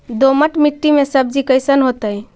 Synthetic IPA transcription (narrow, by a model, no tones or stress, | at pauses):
d̪oməʈmiʈːimesəb̚d͡ʒikəɪsənɦot̪əi